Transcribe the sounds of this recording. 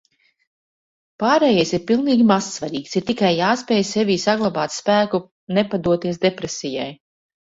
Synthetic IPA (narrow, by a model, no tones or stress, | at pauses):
paːɾejɛjsiɾpilˠniːɡʲimasːvaɾiːksiɾt̪ikajːaːspɛːjsɛviːsaɡlˠabaːt̪spæːku | nɛpad̪uɔt̪iɛs̬d̪epɾesija̰j